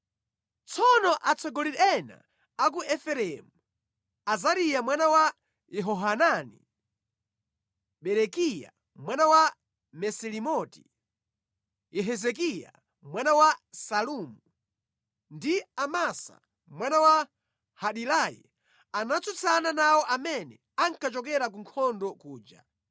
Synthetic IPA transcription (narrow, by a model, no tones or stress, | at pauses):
t͡sʰɔnɔʔat͡sʰɔɡɔliɛna̰ | ak̬uʔɛfɛɾɛmu | azaɾijamwanawa | jɛɦɔɦananḭ | ɓɛɾɛkija̰ | mwanawa | mɛsɛlimɔti̥ | jɛɦɛzɛk̬ija̰ | mwanawasalumu | ndiamasa̰ | mwanawa | haɗilajḭ | anat͡sut͡sʰananawɔʔamɛnɛ | aŋ̩kat͡ʃɔkɛɾak̬uŋkʰɔndɔkuːd͡ʒa̰